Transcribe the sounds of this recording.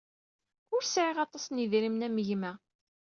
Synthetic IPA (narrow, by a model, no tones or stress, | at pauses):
ʊɾsʕɪʁɑt̪ˤɑsniðɾimnæmʝmæ